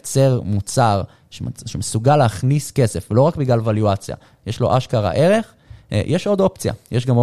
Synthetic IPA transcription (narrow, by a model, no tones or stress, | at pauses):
t͡se̞ʁmut͡saʁ | ʃeʃemesuɡalːeaχniske̞se̞flo̞ʁakbiɡlalvaljuat͡sja̰ | jeʃlo̞̰ʔaʃkaʁa̰ʔe̞ʁe̞χ | jʔeʃo̞d̪o̞pt͡sija̰jʔeʃɡam